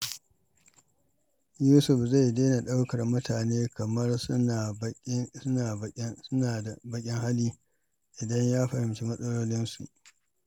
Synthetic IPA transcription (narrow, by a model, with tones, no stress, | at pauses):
juː˦sʊ˨ɸza˦˨jdeː˦na˨ɗa˦wkɐ˨rmʊ˦tʰaː˨neː˦kɐ˨mɐ˦r | aː˨˦naː˨a˨bɐ˨kʲʼɪ˦ŋha˦liː˦ | ʔɪ˨dɐ˦ɲjaː˦ɸɐ˨hɪ˨mt͡ʃi˦mɐ˦sʼɐ˦loː˦lɪ˦nsṵ˨ʔ